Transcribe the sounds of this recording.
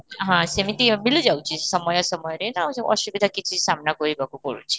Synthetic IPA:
ɦãsemit̪imilũd͡ʒawt͡ʃʰisʌmʌjɔsʌmʌjɔɾenʌũsʔʌsubid̪ʱakit͡ʃʰisamnaɡɔɾibʱɔkupɔɾṵt͡ʃʰi̥

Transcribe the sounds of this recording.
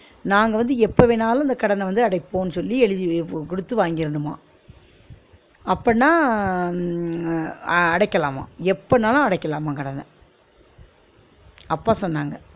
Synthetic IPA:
naːŋɡɐʋɐnd̪ɯɛpːɐʋɛnaːlɐ̃ɪnd̪ɐkɐɽɐnɐʋɐnd̪ɯɐɽɐɪpːõːnːɯsɔlːiɛɻɯðikʊɽɯt̪ːɯʋaːŋɡɪɾɯnɯma̰ː | ɐpːɐnãː | ɐɽɐɪkːɐlaːmã̰ːɛpːɐnaːlãɐɽɐɪkːɐlaːmãkɐɽɐnɐ̰ | ɐpːaːsɔnːaːŋɡɐ

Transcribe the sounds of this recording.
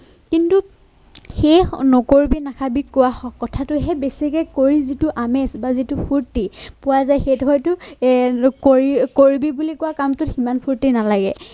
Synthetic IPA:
kintu | xejnɔkoɹibinakʰabikʊwaɔkɔtʰatʊɦɛbesikɛkoɹizitʊʔamɛsbazitʊpʰuɹtipʊwazajxejtxɔjtʊ | koɹikoɹibibulikʊwakamtʊtximanpʰuɹtinalaɡɛ

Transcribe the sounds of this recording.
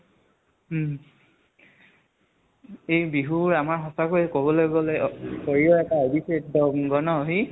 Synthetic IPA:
ejbiɦuɹamaɹɦɔsakojɛkobɔlojɡɔlɛkoɹiɔɛtaɔbiset̚dɔmɡɔnɔɦi

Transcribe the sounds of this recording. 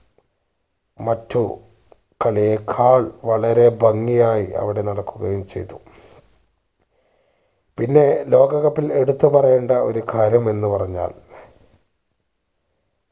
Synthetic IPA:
mɐtːu | kɐɭijekʰaːɭʋɐɭɐɾe̞bʱɐŋːijaːjiʔɐ̰ʋiɽe̞nɐɽɐkːuɣɐjumt͡ɕe̞̰jt̪ːu | pinːe̞lo̞ːɡɐɣɐpːile̞ɽut̪ːupɐrɐjeːɳɖɐo̞ɾukʰaːɾjɐme̞nːupɐrɐɲːa̰ːl

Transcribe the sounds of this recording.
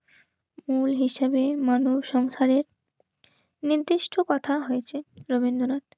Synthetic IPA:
mulɦiʃebemanubʃɔŋʃaɾeɾ | niɾd̪iʃʈʰokɔt̪ʰaɦojet͡ɕʰeɾobind̪oɾat̪

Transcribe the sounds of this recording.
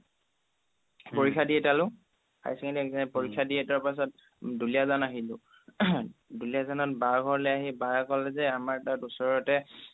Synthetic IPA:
poɹikʰːadiɛtalʊ̃ | ka̰jskintipoɹikʰːadiɛtɔɹpas̬ɔt̚ | dulijazanaɦilʊ̃ | duliazanɔt̚baɹɡʱɔɹlɛjaɦibaɹkɔlɛzɛamaɹtatusɔɹɔtɛ

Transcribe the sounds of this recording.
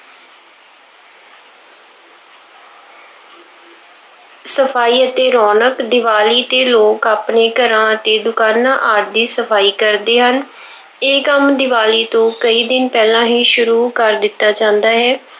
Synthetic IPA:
səpʰaːiːət̪eːɾɔːnəkd̪ɪʋaːliːt̪eːloːkaːpneːkəɾãːət̪eːd̪ʊkaːnãːʔaːt̪̚d̪iːsəpʰaːiːkəɾd̪eːɦən | eːkəmd̪ɪʋaːliːt̪õːkəiːd̪ɪnpɛːlãːɦĩːʃʊɾuːkəɾd̪ɪt̪ːaːd͡ʒãːnd̪aːɦɛː

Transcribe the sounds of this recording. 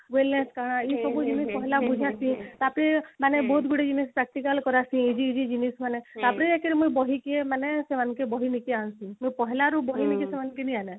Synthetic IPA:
weleskaɽ̃aisɔbud͡ʒimipɔɦlabud͡ʒʱasĩt̪apɾemanebɔɦut̪̚ɡuɽed͡ʒinispɾɛk̚ʈikəlkɔɾasĩid͡ʒiːd͡ʒid͡ʒinismanet̪apɾeekeɾemujbɔɦikemanesemankebɔɦinikeansĩmujpɔɦlaɾubɔɦinikesemankeniane

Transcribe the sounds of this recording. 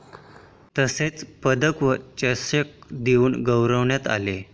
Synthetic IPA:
t̪əset͡spəd̪əkʋət͡ɕəsək̚d̪euːnɡəwɾəʋɳjat̪a̰le

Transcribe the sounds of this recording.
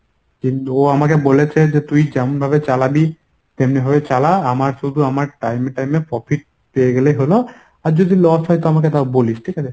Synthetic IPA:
kint̪uoamakebolet͡ɕʰed͡ʑet̪ujd͡ʑɛmonbʱabet͡ɕalabi | t̪emnibʱabet͡ɕalaamaɾʃud̪ʱuamaɾʈajmeʈajmepɾɔfʰiʈ̚ | pejeɡeleɦolo | aɾd͡ʑod̪ʱilɔsɦɔjt̪oamaket̪aboliʃʈʰikat͡ɕʰe

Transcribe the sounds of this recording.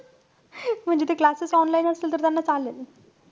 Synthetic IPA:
m̤əɳd͡ʑet̪eklasəsɔnlainəselt̪əɾt̪janːat͡salːele

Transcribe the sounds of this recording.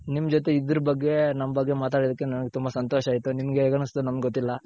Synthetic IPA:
nimɐd͡ʒot̪̬e̞id̪ɾɐbɐɡːe̞nɐmːɐbɐɡːe̞maːt̪̬aːɽid̪ɐkːe̞nɐnɐɡe̞t̪umbɐsɐnt̪oːʃɐaːjt̪unimɐɡeeːɡɐɳusd̪unɐmɡɡot̪ːilːɐ

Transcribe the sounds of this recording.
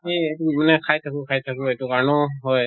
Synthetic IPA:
eetumanɛkʰajt̪ʰakukʰajt̪ʰakuetukaɹnɔɦɔj

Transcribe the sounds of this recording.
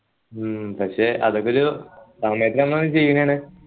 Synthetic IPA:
pɐkʂe̞ːʔɐ̰ðokːeoɾusaːmeɐt̪iɾɐmnonːɨt͡ɕe̞jːunːejaːɳɨ

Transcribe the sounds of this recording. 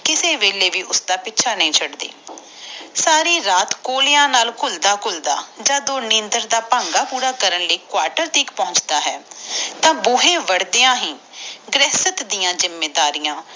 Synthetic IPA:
kɪseːʋeːleːʋiːʔʊsd̪aːpɪtːt͡ʃʰaːnəĩːt͡ʃʰəɽd̪ḛː | saːɾiːɾaːt̪koːlejãːnaːlkʊld̪aːkʊld̪a̰ːd͡ʒaːd̪oːnẽːnd̪əɾd̪aːpãːŋɡaːpuːɾaːkəɾənləiːkʊwaːɾʈəɾt̪ʰiːkpɔ̃ʊt͡ʃd̪aːɦɛːt̪ãːbʊːɦẽːʋəɽd̪eãːɦĩːɡɾɛːsət̪d̪ijãːzɪmːeːd̪aːɾijãː

